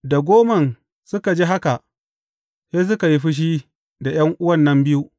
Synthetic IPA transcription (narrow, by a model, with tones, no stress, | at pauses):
da˨ɡʷoː˦mɐ˨n | sʊ˦ka˨d͡ʒi˦ɦa˦ka˨ʔ | seː˦s̬ʊ˦ka˨ji˦ɸi˦ʃ̬i˦ | da˨j̰ɐ˦ŋʔʊ˦wɐ˦˨nːɐ˦mbɪ˦ju˦ʔ